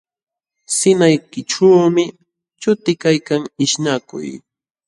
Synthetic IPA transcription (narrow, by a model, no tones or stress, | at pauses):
sɪnajkɪʈ͡ʂawmɪ | t͡ʃʊt̪ɪkajkaŋɪʃnakʊ̰j